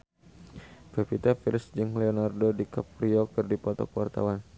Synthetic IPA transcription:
pepit̪afilsd͡ʒɨŋleɔnardodikap̚riɔkɨrdipɔt̪ɔ̰kwart̪a̰wan

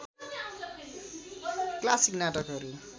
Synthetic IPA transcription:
klasiknaʈʌkɦʌɾu

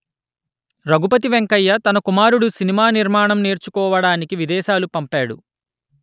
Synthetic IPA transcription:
ɾɐɡupɐt̪̬iʋeŋkɐjːɐt̪ɐnɐkumaːɾuɽusinimaːniɾmaːɳɐmneːɾt͡ʃukɔːʋɐɽaːnikiʋid̪ɛːʃaːlupɐmpaːɽṵ

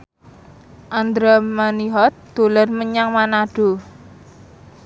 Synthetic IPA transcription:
ʔand̪ɾamaniɦɔt̪̚d̪̥o̤larməɲaŋmanaɖ̥o̤

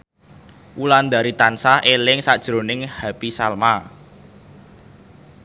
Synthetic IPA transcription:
ʔuland̪a̤ɾit̪ansahʔelɪŋsad̥ʒ̥ɾonɪŋhapisalma

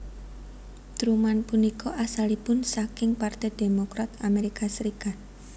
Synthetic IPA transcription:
d̪̥ɾumanpunikɔʔasalipʊnsakɪŋpart̪ɛd̪̥emokɾat̪ameɾikasəɾikat̪̚

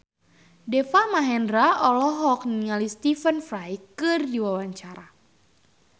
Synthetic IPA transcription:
dɛfamaɦɛndɾaɔlɔɦɔk̚niŋalist̪ifənfɾajkɨrdiwawaɲt͡ʃaɾa

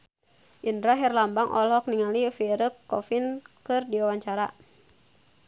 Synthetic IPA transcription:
ʔindɾaɦɛrlambaŋʔɔ̰lɔkniŋalifiɾəkːɔfinkɨrdiwawaɲt͡ʃaɾa

